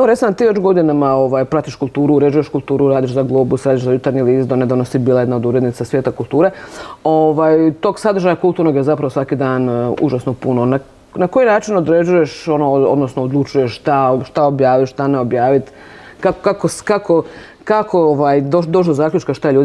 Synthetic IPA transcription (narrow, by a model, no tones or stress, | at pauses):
ʋoɾesanat̪iːʋet͡ʃɡo̞d̪inamaoʋaːjpɾat̪iʃkulˠt̪uːɾuːɾe̞d͡ʑujeʃkulˠt̪uːɾuɾaːd̪iʃzaɡlˠoːbusɾaːd̪iʃzajut̪aɾɲiliːzd̪oned̪aʋnosibiːlˠae̞d̪nao̞d̪uɾed̪nit̪sasʋjeːt̪akulˠt̪uːɾeoʋaːjt̪o̞ːɡsad̪ɾr̩ʒajakult̪uːɾno̞ɡjezapɾaʋosʋakid̪aːnṵʒasnopunona | nako̞jinaːt͡ʃinod̪ɾe̞d͡ʑujeʃo̞noo̰d̪nosnood̪lˠut͡ʃuje̞ʃʃt̪aʃt̪aobjaːʋiʃt̪aneobjaːʋit̪ | kakkakoskakʰo | kakʰooʋajd̪od̪oʃ̬d̪ozaːkʎʲut͡ʃkaʃt̪aʎʲuːd̪i